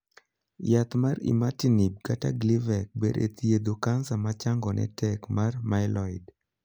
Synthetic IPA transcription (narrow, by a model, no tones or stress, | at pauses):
jat̪marḭmatinib̚kata̰ɡlivɛk̚bḛdḛt̪ijed̪okansamat͡ʃaŋɡɔnɛ̰tɛkmarmaɪlɔɪd